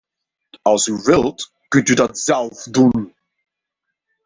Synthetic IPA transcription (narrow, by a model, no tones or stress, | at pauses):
alsduvɪlt | kʏnt̚diːdatz̥ɛlfduːn